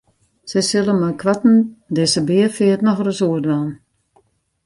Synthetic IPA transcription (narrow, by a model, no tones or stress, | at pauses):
sɛjsɪlˠənmakʰʋatn̩dɪsəbɪəfɪətnɔxərəsuədʋaːn